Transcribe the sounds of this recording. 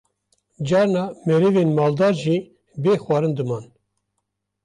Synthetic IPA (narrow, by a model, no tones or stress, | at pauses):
d͡ʒɑːɾnɑːmɛɾevenmɑːld̪ɑːɾʒiː | beːxwɑːɾɨnd̪ɨmɑːn